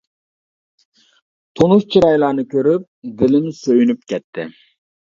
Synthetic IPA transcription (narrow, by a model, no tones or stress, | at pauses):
t̪ʰonuʃt͡ʃʰiɾɑjlˠɑːnɨkʲʰøɾyp̚d̪ɪlɪmsøjynyp̚kʲʰɛt̪ʰːɪ